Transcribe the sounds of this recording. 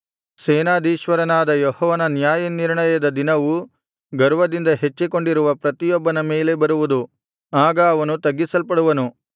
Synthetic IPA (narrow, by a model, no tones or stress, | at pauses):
sɛːnaːd̪iːʃʋɐɾɐnaːd̪ɐjɔhɔːʋɐnɐnjaːjɐniɾɳɐjɐd̪ɐd̪inɐʋu | ɡɐɾʋɐd̪ind̪ɐɦe̞t͡ʃːiko̞ɳɖiɾuʋɐpɾɐt̪ijɔbːɐnɐmeːle̞bɐɾuʋud̪u | aːɡɐːʋɐnut̪ɐɡːisɐlpɐɽuʋɐnu